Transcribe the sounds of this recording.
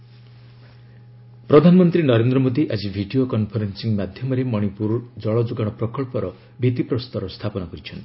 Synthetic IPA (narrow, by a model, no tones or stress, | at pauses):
pɾɔd̪ʱanɔmɔnt̪ɾinɔɾend̪ɾɔmod̪iʔad͡ʒibʱiɖiokɔnpʰɔɾensiŋmad̪ʱjɔmɔɾemɔɽ̃ipuɾd͡ʒɔɭɔd͡ʒuɡaɽ̃ɔpɾɔkɔɭpɔɾɔ | bʱit̪ipɾɔst̪ɔɾɔst̪ʰapɔnɔkɔɾit͡ʃʰɔnt̪i